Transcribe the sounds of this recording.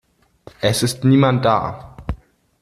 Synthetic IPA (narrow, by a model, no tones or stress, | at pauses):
ʔɛsɪstniːmant̚d̥a̰ː